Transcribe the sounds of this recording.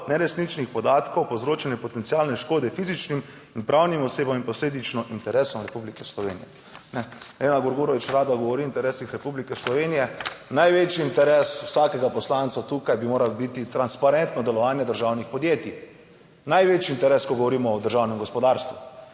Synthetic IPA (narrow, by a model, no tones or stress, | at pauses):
nɛɾɛsnit͡ʃnixpɔd̪aːt̪kɔwpozɾoːt͡ʃɛnɛpɔt̪ɛnt̪siaːlnɛʃkoːd̪ɛfizit͡ʃnim | inpɾʔawnimɔseːbaminpɔsleːd̪it͡ʃnɔʔint̪ɛɾɛːsɔmɾɛpublikɛslɔʋeːnijɛ̰ | nɛenaɡoɾɡuɾɔʋit͡ʃɾaːd̪aɡɔʋɔɾiint̪ɛɾɛːsixɾɛpublikɛslɔʋeːnijɛnajʋet͡ʃjiːnt̪ɛɾeswsaːkɛɡapɔslant̪sat̪uːkajbimoːɾalbit̪it̪ɾanspaɾɛnt̪nɔd̪ɛlɔʋaːnjɛd̪əɾʒaːwnixpɔd̪jeːt̪i | najʋeːt͡ʃiːnt̪ɛɾeːskɔɡɔʋɔɾiːmɔɔd̪əɾʒawnɛmɡɔspɔd̪aɾst̪ʋṵ